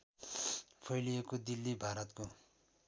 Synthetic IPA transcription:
pʰʌjlijekod̪ilːibʱaɾʌt̪ko

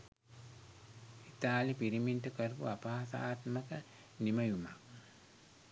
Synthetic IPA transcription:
it̪aːlipiɾiminʈəkəɾpuapaːt̪aːt̪məkə | niməjumak̚

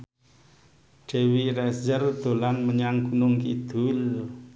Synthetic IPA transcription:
d͡ʒ̥ewiɾɛsd͡ʒərd̪̥o̤lanməɲaŋɡ̥unʊŋkid̪̥ul

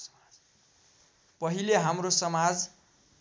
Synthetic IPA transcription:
pʌɦileɦamrosʌmad͡z

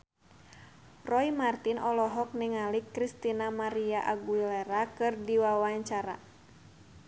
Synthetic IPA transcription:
rɔimart̪inʔɔlɔɦɔk̚niŋalikːɾist̪inamaɾiaʔaɡuilɛɾakɨrdiwawaɲt͡ʃaɾa

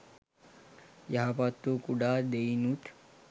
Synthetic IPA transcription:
jaɦapat̪ːukuɖaːd̪ejnut̪

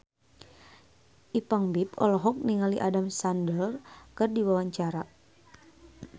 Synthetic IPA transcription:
ʔipaŋbipɔ̰lɔɦɔk̚niŋaliʔadamsandəlkərdiwawaɲt͡ʃaɾa

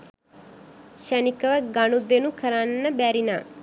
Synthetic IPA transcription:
ʃænikəʋəɡanud̪enukʰəɾanːəbæɾina̰ː

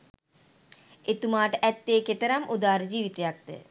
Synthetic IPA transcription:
et̪umaːʈəʔæt̪ːeːket̪əɾamʔud̪aːɾəd͡ʒiːʋit̪ejak̚d̪̥ə̰

